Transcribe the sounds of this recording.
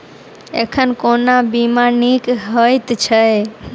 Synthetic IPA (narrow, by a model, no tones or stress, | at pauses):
ekʰənkonabimanikɦəjt̪t͡ʃʰəj